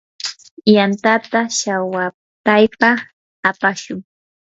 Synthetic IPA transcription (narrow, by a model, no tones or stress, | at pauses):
jant̪at̪aʃawa | pajpa | apaʃʊŋ